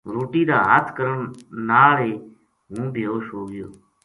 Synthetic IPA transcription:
ɾoːʈiːd̪aːɦaːt̪ʰkəɾəɳnaːleː | ɦũːbʱɪjoːʃoːɡɪjoː

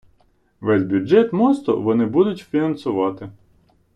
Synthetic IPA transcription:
ʋɛzʲbʲjʊd͡ʒɛt̪mɔst̪ʊ̰ʋɔnɪbud̪ʊtʲfʲinɐnsʊʋɑt̪ɪ

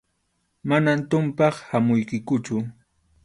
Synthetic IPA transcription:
manant̪ʊmpɑχhamʊjkɪkʊt͡ʃʊ

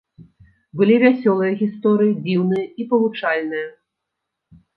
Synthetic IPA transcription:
bɨlʲivʲasʲɔlˠɨjɐɣʲist̪ɔɾɨjid͡zʲiwnɨjɐipɐlˠut͡ʂalʲnɨjɐ

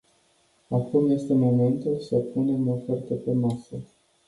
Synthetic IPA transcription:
akumje̞st̪e̞mo̞me̞nt̪ulsəpune̞mofert̪əfumasə

